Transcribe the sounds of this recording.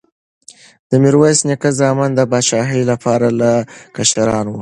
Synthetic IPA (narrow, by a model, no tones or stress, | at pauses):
d̪̥əmɪɾwajsnikazɑmand̪əbɑʃɑɦəjlapʰɑɾalakaʃaɾɑnwu